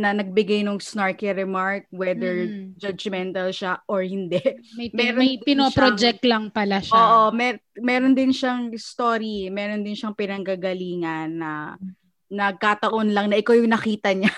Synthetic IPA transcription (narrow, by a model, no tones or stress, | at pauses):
nɐnɐɡ̚bɪɡajnʊŋsnaɹkɛɾɛmaɹk̚wɛd̪ɛɹd͡ʒɐd͡ʒmɛnt̪ɐlʃaʔoɹhɪnd̪ɛʔmɐjmɛːɾomɐjpɪnopɾod͡ʒɛk̚t̪lɐŋpɐlaʃaoːʔomɛmɛːɾond̪ɪnʃɐŋɪst̪o̞ːɾimɛːɾo̞nd̪ɪnʃɐŋpɪnɐŋɡaɡɐliːŋɐnːɐ | nɐɡ̚kat̪ɐʔonlɐŋnɐʔɪkojʊŋnɐkiːt̪ɐɲa